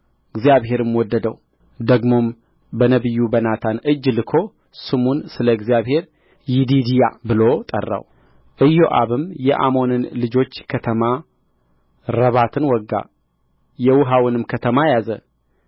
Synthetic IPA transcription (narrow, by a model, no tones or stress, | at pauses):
ɨɡzijaβɦe̞ɾɨmwɔd̪ːəd̪ə̰w | d̪əɡmo̞m | bənəβɨjːubənat̪ʰanɨd͡ʒːlɨkʰo̞ | sɨmunsɨləɡzijaβhe̞ɾ | jɪd̪id̪ijabɨlo̞t̪ʼə̰rːa̰w | ʔɨjːo̞ʔa̰βɨmjɛʔa̰mo̞nɨnlɨd͡ʒo̞t͡ʃːkʰət̪ʰəma | ɾəβat̪ʰɨnwɔɡːa̰ | jɛwʊɦawɨnɨmkʰət̪ʰəmajazə